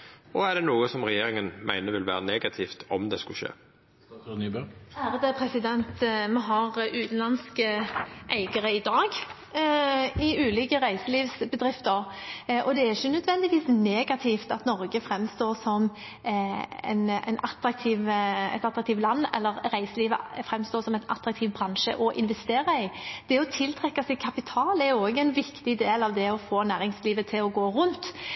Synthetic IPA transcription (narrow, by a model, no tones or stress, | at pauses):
ɔæɖ̪ɛnuːəsɔmʁɛjeːɾɪŋənmʔæ̰ɪnəʋɪlʋæ̰ːɾəneːɡɑt̪ʰɪːft̪ɔmd̪ɛskʉʃḛː | bæːɾəd̪əpʰɾɛsɪd̪ɛnt̪mɛɦɑʁʔʉːt̪n̩lɑnskəʔæɪɡəʁəɪd̪ɑːɡ | ɪʉːliːkəʁæɪsəliːʋsbəd̪ɾɪft̪əɾʔɔd̪ɛæɪçənœd̪ʋɛnd̪ɪʋiːsneːɡɑt̪ʰiːft̪ɑt̪nɔɾɡəfɾɛmːst̪oːsɔm | ɛ̰nɛ̰ɪnɑt̪ɾɑk̚t̪ʰiːʋɛ̰t̪ɑt̪ːɾɑkt̪iːʋlɑnːɛ̰lːəɾɾæɪsəliːʋə̰fɾɛmst̪oːsɔmɛɪnʔɑ̰t̪ʰɾɑk̚t̪ʰiːʋbɾɑnʃə̰ʔɔʔɪnʋɛst̪eːɾɑɪd̪̥ɛɔt̪ʰɪlt̪ʰʁɛkːɑsɛkʰɑpɪt̪ʰɑːlɛɾjʊoːɡəɛɪnʋɪkt̪ɪd̪eːlɑʋd̪ɛɔfoːnæːɾɪŋsliːʋət̪ʰɪlɔɡoːɾʉnt̪